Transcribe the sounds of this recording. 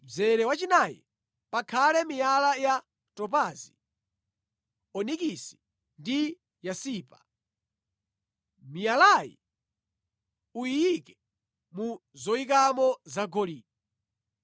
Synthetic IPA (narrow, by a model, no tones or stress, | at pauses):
d͡zɛɾɛwat͡ʃinajḭ | pakʰalɛmijalaja | tɔp̬azi | ɔnik̬isi̥ | ndi | jasiːpa | mijalajḭ | uijikɛ | muzɔik̬amɔzaɡɔliːɔ